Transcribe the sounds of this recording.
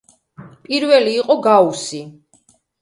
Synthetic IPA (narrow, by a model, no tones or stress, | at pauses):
pʼiɾvɛliːqʼɔɡausi